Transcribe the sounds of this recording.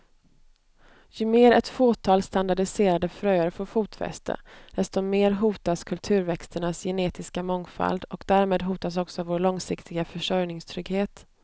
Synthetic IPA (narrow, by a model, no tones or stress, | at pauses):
jɵmeːɾɛt̪foːt̪ʰɑːlst̪and̪aɖɪseːɾad̪əfɾœjaɾfɔːfuːt̪fɛ̰st̪ʰə̰d̪̥ɛst̪ɔmeːɾɦuːt̪askʰɵlt̪ʰʉ̟ːɾvɛkst̪əɳasjɛneːt̪ɪskamɔŋfa̰ld̪ɔkd̪æːɾmeːd̪ɦuːt̪as̬ɔksɔvoːɭɔŋsɪkt̪ʰɪɡafœʂœjnɪŋst̪ʰɾʏɡheːt̪